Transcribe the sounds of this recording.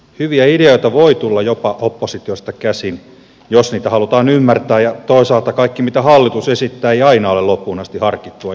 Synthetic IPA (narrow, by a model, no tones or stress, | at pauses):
hyʋiæideoit̪ɑʋoit̪ulːɑjopɑʔopːosit̪iost̪ɑkæsin | josniːt̪æhɑlut̪ɑːnymːært̪æːjjɑt̪oisɑːlt̪ɑkɑikːimit̪æhɑlːit̪usesit̪ːæːeiɑinɑolelopːuːnɑst̪ihɑrkit̪ːuɑ